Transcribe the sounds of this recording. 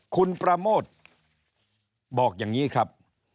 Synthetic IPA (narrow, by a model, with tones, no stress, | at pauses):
kʰu˧npɾa˧moː˥˩t̪̚ | bɔː˨˩k̚jaː˨˩ŋiː˦˥kʰɾa˦˥p̚